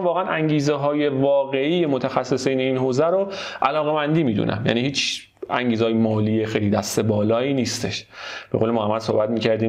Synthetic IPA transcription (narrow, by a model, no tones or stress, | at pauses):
vɒːɣeænʔæŋɟiːzeɦɒːje̞vɒːɣe̞iːjemot̪ʰæxæsːe̞sijneinɦoːzæɾoʔælɒːɣe̞mænd̪iːmiːd̪ṵnʔæ̰mjæ̰ːniːhiːt͡ʃ | æŋɟiːzehːjemɒːliːjexejliːd̪æst̪e̞bɒːlɒːiːniːst̪e̞ʃb̥eɣoːlemoæmːælso̰hbæt̪̚miːcæɾd̪iː